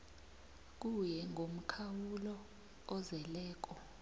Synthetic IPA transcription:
k̬ujɛŋʱom̩kʰawulɔː | zɛlɛːk̬ɔ

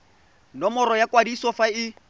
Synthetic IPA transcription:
nɔmɔɾɔjakwadisɔfaɪ

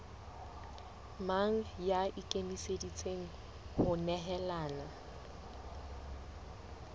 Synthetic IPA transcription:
maŋ̩jaʔɪkʼemisedit͡sʼeŋ̩ | hʊnɛɦɛlaːna

